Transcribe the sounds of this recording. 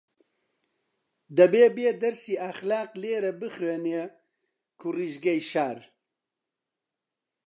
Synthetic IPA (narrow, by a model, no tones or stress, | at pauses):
d̪ɐbeːbeːd̪ɐɾsiːɐxlaːqleːɾɐbɨxweːne | kʰuriːʒɡɐjʃaːɾ